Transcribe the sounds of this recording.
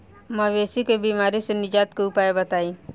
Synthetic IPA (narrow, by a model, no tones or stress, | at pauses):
məʋeːsikebiːmaːɾisenɪd͡ʒaːt̪keupaːebɐt̪aːi